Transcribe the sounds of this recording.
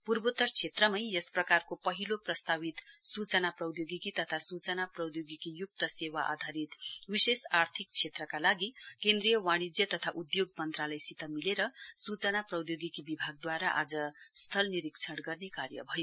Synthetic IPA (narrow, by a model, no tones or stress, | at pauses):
purbot̪ːʌrt͡sʰet̪rʌmʌjesprʌkarkopʌɦiloprʌst̪aβit̪sut͡sʌnaprʌwd̪joɡikit̪ʌt̪ʰasut͡sʌnaprʌwd̪joɡikijuk̚t̪ʌsewaʔa̰d̪ʱaɾit̪wisesart̪ʰik̚t͡sʰet̪rʌkalaɡikẽnd̪ɾijʌwaɽ̃id͡zjʌt̪ʌt̪ʰaʔud̪joɡ̚mʌnt̪ralʌjsit̪ʌmileɾʌsut͡sʌnaprʌwd̪joɡikibibʱaɡ̚d̪waɾaʔa̰d͡zʌst̪ʰʌlniɾikt͡sʰʌɽɡʌrnekarjʌ̰bʱʌjo